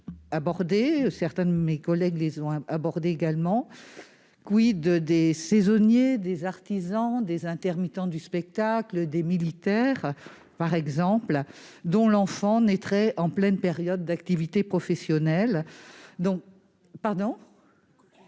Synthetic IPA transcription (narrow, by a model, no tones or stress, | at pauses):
abɔʁd̪esɛʁt̪ɛ̃d̪əmekɔlɛɡlezɔ̃abɔʁd̪eeɡalmɑ̃ | kwid̪əd̪esɛzɔnjed̪ezaʁt̪izɑ̃d̪ezɛ̃t̪ɛʁmit̪ɑ̃d̪yspɛk̚t̪akləd̪emilit̪ɛʁ | paʁɛɡzɑ̃pld̪ɔ̃lɑ̃fɑ̃nɛt̪χɛʔɑ̃plɛnpeʁjɔd̪ːakt̪ivit̪epχɔfɛsjɔnɛld̪ɔ̃k | paʁd̪ɔ̃